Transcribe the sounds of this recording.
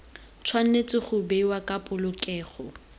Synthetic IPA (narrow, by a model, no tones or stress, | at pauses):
t͡sʰwan̩net͡sʼɪχʊbewakʼapʼʊlʊkʼɛːχɔ